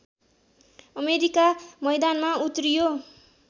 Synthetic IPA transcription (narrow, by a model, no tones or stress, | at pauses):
ʌmeɾikamʌjd̪anmaut̪rijo